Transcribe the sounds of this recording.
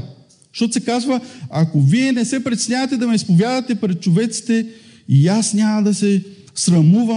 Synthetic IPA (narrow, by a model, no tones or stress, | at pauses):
ʃt̪ot̪osɛkazvəakoviɛnɛsɛpɾɛt̪sʲnʲavɐt̪ɛd̪ɐmɛispovʲjad̪ɐt̪ɛpɾɛt̪̚t͡ʃovɛt̪si̥t̪ɛ | ijasnʲamɐd̪ɐsɛ | sɾɐmuvɐ